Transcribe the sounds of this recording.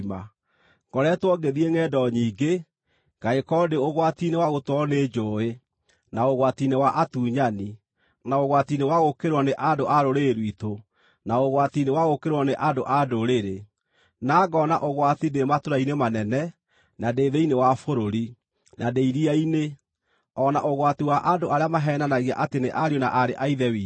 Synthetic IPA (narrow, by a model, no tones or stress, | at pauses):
ma | ɡ̥ɔɾɛtwɔɡeðiɛŋɛːdɔɲiːɡe | ɡ̥aekɔdeoɣwatinewaɣotwɔneːd͡ʒoːe | naoɣwatinewaʔatuːɲani | naoɣwatinewaɣokeɾwɔneʔadoʔaɾoɾeːɾwito | naoɣwatinewaɣokeɾwɔneʔadoʔadoɾeɾe | naːɡɔna̰ʔoɣwatidematoɾainemanɛnɛ | nadeːðeinewafoɾoɾi | nadeiɾiaine | ɔna̰ʔoɣwatiwaʔadoaɾeamaɦɛːnanaɣia̰ʔateneʔaɾionaʔaɾeʔaiðɛwiː